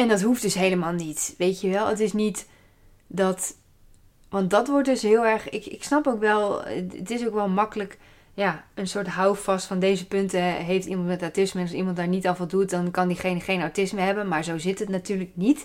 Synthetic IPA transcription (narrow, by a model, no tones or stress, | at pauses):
ɛndɔtɦufd̥ɵsɦejləmaːlˠnitʋejtjəʋɛlˠətɪsnit | dɔt | ʋɑnt̚dɔtʋʊɹt̚dʏsɦɪəlˠɛɹχɪkɪ̰ksnɑpowkʋɛlˠətɪsowkʋɛlˠmɑkələk | jaənsʊːɹtɦawfɑstfɔndejzəpʏntəɦejftimɑntmɛtawtɪsmənɑsimɑntdaːɹnitɔfɔlˠdut̚dɔnkɑndiχenχejnawtɪsməɦɛbənmaːɹzowzɪtətnatyːɹrlək̚nit